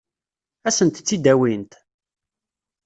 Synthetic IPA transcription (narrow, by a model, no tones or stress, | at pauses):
æsənt̪t͡sːid̪æwint̪